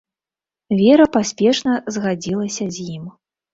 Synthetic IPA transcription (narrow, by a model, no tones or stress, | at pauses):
vʲɛɾɐpasʲpʲɛʂnɐzɣad͡zʲilˠɐsʲɐzʲjim